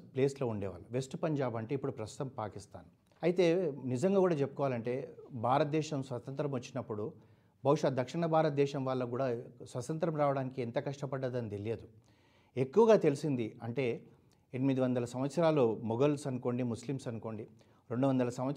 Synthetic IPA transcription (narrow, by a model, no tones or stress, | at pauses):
ple̞ːslo̞ːuɳɖɛ̰ːʋa̰ːlːɐʋe̞sʈpɐɲd͡ʒaːbɐɳʈe̞ːipːuɽupɾɐst̪u̥t̪ɐmpaːkist̪a̰ːn | ɐjit̪e̞ːnizɐŋɡaːɡuːɽaːt͡ʃepːukɔːʋaːlɐɳʈe̞ːbʱaːɾɐt̪̚d̪ɛːʃɐmsʋɐt̪ɐnt̪ɾɐmʋot͡ʃːinɐpːuɽu | bʱɐwʂaːd̪ʱɐkʂiɳɐbʱaːɾɐt̪̚d̪ɛːʃɐmʋaːɭːɐkuːɽaːsʋɐt̪ɐnt̪ɾɐmɾaːʋɐɽaːnikient̪ɐkɐʂʈɐpɐɖːɐd̪ɐnid̪eljeːd̪u | e̞kːuʋɐɡaːt̪e̞lisind̪iɐɳʈe̞ː | enimid̪iʋɐnd̪ɐlɐsɐmʋɐt̪sɐɾaːlumɔɡɐlsɐnuko̞ːɳɖimuslimsɐnuko̞ːɳɖi | ɾe̞ɳɖuʋɐnd̪ɐlɐsɐmʋɐt̪